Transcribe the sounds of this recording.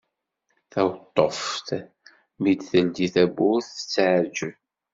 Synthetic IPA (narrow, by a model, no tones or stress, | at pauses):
θæwt̪ˤːɔft̪ | mid̪θəld̪iθæbuθət͡sːʕəɾd͡ʒ